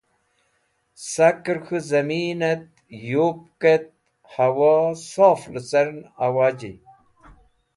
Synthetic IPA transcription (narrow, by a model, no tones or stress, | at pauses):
sɐkɾkʰuzɐmiːnɐt̪ | joːp̚ket̪̚ | hɐwaːsaːflɨt͡sɐɾnɐwaːd͡ʑḭ